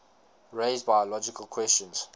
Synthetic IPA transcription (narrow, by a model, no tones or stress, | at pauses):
ɹeɪzbajɔlɔd͡ʒikəlˠkʰw̥ɛst͡ʃə̃nz̥